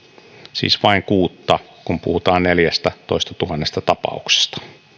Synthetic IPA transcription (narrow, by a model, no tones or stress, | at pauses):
sḭːsʋɑiŋkuːt̪ːɑ | kumpṵhut̪ɑːnneljæst̪æt̪oist̪ɑt̪uhɑnːest̪ɑt̪ɑpɑ̰ukse̥st̪ɑ̥